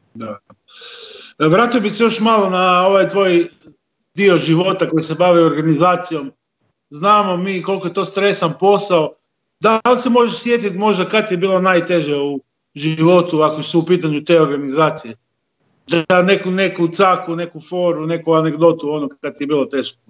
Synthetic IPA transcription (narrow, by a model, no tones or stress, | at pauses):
d̪aa | ʋɾaːt̪ijobisejo̞ʃmalˠo̞nao̞ʋajt̪ʋo̞j | d̪ioʒiʋo̞t̪ako̞jisebaʋioɾɡanizaːt̪sijo̞m | znaːmo̞miːko̞lˠkojet̪o̞ːst̪ɾe̞sanpo̞sao | d̪alsemo̞ʒeʃsje̞t̪it̪mo̞ʒd̪akad̪t̪ijebiːlˠonajt̪e̞ʒeau | ʒiʋo̞t̪uakosuupiːt̪aɲut̪eːo̞ɾɡanizaːt̪sije̞ | d̪ane̞kune̞kut̪sakune̞kufo̞ɾune̞kuane̞ɡd̪o̞t̪uo̞nokkad̪t̪ijebiːlˠot̪e̞ʒko